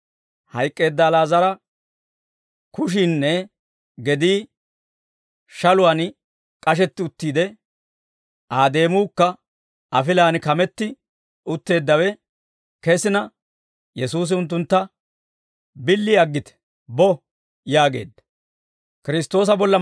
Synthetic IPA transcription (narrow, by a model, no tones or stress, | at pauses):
hɐjkʼːe̞ːd̪ːaːlaːzɐɾɐ | kʊʃ̬ɪnːɛ | ɡɛd̪iː | ʃɐlʊwan | kʼɐʃ̬ɛt̪ːɪʊt̪ːiːd̪ɛ | ʔaːd̪e̞ːmuːkːɐ | ʔɐfɪlaːnkɐmɛt̪ːɪ | ʊt̪ːe̞ːd̪ːɐwɛ | kɛsɪnɐ | jɛsuːs̬ɪʊnt̪̬ːʊnt̪ːɐ | bɪlːɪɐɡːɪt̪ɛ̥ | bɔ | jaːɡe̞̰ːd̪ːɐ̥ | kɪɾɪst̪ːo̞ːs̬ɐbɔlːɐ